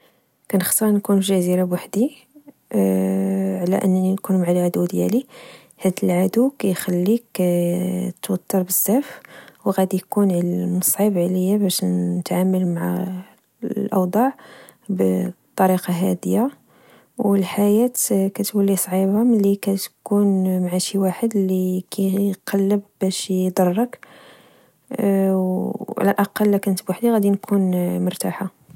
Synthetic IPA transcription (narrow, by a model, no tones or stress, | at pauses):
kænəxt̪ˤəɾnkunʒæziɾabwaħd̪i | ʕlæ̰ʔənːninkunmaʕalʕad̪ud̪jæ̰li | hæd̪əlʕad̪ukæjxælːikæt̪wət̪ˤːɑɾˤbəzːæfwɣæd̪ijkunʕlmɑsˤʕibʕləjːabæʃət̪ʕamːəlmaʕa | lʔɑ̰wd̪ˤɑʕ | bt̪ˤːɑɾiqɑɦæ̰d̪əjːa | wəlħajæt̪kæt̪wəlːisˤʕibaməlːikæt̪kunmʕaʃiwaħəd̪lːikʰæjqʰɑlːəbbæʃd̪ˤɑrˤːək | ʕ̰lælʔɑqɑlːækænət̪bwaħd̪iɣæd̪inkʰunmʊɾt̪aħa